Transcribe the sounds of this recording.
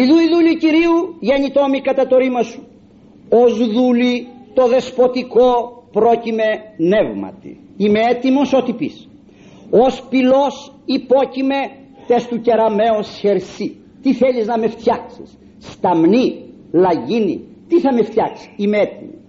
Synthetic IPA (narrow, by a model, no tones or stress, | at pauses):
iðuiðuliciɾiuʝenit̪omikɐt̪ɐt̪o̞ɾimɐsu̥ | ozðulit̪o̞ðe̞spo̞t̪iko̞pɾo̞cime̞ne̞vmɐ̰t̪ḭ | imeet̪imosot̪ipḭs | ospilo̞sipo̞cime̞ | t̪est̪uce̞ɾɐme̞osçe̞ɾsi | t̪iθeliznɐme̞ft̪çɐksi̥sː | t̪ɐmni | lɐʝinḭ | t̪iθɐmeft̪çɐksi̥ime̞et̪imi